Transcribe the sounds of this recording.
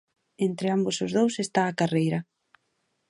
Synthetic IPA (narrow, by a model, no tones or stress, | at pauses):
ent̪ɾɪambʊsʊzðowsest̪aːkarejɾɐ